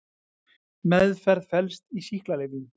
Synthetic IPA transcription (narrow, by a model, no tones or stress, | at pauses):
mɛðfɛɾðfɛlst̪isihklalɪːvɪn